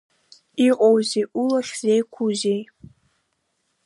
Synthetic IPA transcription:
iqʷʼowzeːʔulɐχzejkʷʰuʑej

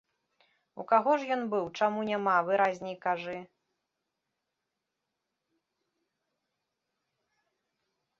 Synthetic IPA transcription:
ṵkaɣɔʂjɔnbɨwt͡ʂamunʲamavɨɾazʲnʲijkaʐɨ

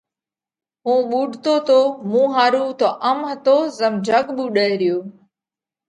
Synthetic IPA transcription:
ɦũːɓuːɖʱt̪oːt̪oːmũːɦaːɾuːt̪oːʔəmɦət̪oːzəmd͡ʒʱəɠɓuːɗəɾɪjoː

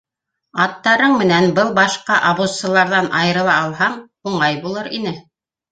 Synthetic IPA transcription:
ɑt̪ːɑɾɤɴmɘ̆nænbɤlˠbɑʃqɑʔɑβussɤ̆lˠɑɾðɑnʔɑjɤ̆ɾɤ̆lˠɑːlˠɦɑɴ | uɴɑjbulˠɤɾinɘ

